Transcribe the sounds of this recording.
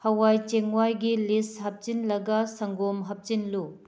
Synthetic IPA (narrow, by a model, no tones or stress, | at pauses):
hɐwajt͡ʃeŋwajɡilishɐp̚t͡ʃinlɐɡɐsɐŋɡomɦɐp̚t͡ʃinlu